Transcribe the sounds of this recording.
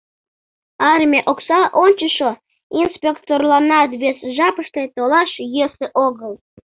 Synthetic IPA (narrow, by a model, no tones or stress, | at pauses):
ɑrmʲeʔoksɑʔonʲt͡ɕəʃo | inspʲekt̪orlɑnɑt̪βesʒɑpəʃt̪et̪olɑʃjeseʔoɣəl